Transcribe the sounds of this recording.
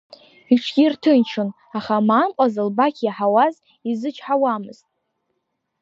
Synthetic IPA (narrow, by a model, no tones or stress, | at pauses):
iʈ͡ʂʰɡʲirtʰɨnt͡ʃʰon | aχamaːmqʷʼazɨlbakʲʰjaħawaz | izɨt͡ʃʰʼħawamɨ̰z̥tʼ